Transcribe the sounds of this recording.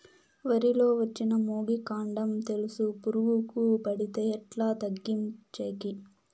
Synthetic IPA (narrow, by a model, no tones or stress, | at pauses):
ʋɐɾilo̞ːʋɐt͡ʃːinɐmoːɡikaːɳɖɐmt̪e̞lusupuɾuɡukupɐɽit̪eɛʈlaːt̪ɐɡːimt͡ʃeːki